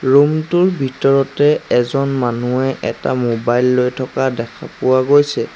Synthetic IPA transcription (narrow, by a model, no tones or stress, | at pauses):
ɹumtʊɹbʱitɔɹɔtɛɛzɔnmanuɛʔɛta̰mobajlːojtʰɔkadɛkʰapʊwaɡojsɛ